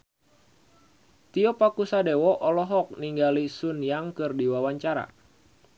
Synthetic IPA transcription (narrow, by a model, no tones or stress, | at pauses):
t̪iɔpakusadewɔʔɔlɔɦɔk̚niŋɡalisunjaŋkɨrdiwawaɲt͡ʃaɾa̰